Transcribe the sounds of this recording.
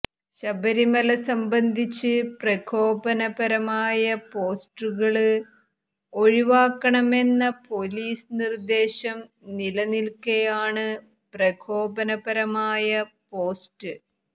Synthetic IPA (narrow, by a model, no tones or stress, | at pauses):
ɕɐbɐɾimɐlɐsɐmbɐnd̪ʱit͡ɕːɨprɐkʰo̞ːbɐnɐbɐɾɐmaːjɐpo̞ːsʈuɣɐɭɨ | o̞ɻiʋaːkːɐɳɐme̞nːɐpo̞liːsɨnird̪e̞ːɕɐm | nilɐnilkejaːɳɨ | prɐkʰo̞ːbɐnɐbɐɾɐmaːjɐpo̞ːsʈɨ